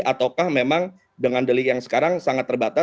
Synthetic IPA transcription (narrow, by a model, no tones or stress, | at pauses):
at̪awkahmemaŋ | dəŋandəlikjaŋsə̥kaɾaŋsaŋat̪ːərbat̪a